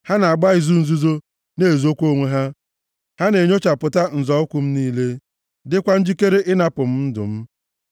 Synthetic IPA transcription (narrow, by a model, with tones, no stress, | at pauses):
ha˦na˨a˨ɡ͡ba˦ɪ˨zu˦n̩˦zu˦zo˦ | ne˦˨zo˦kʷo˦ŋʷe˦ɦa˦ | ha˦ne˨ɲo˦t͡ʃa˨pʊ˨ta˦n̩˨zɔ˨˦ʊ˦kʷʊ˨m̩˦niː˦le˦ | dɪ˦kʷa˦n̩˦d͡ʒi˦ke˦ɾe˦ʔɪ˦na˦pʊ˨m̩˦n̩˦dʊ̰˨m̩˦